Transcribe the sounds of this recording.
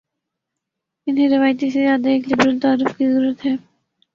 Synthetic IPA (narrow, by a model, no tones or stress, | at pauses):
ɪnɦẽɾɪʋaːjt̪isezjaːd̪aeːklɪbɾəlt̪aːɾɪfkizɐɾuːɾət̪ɦɛː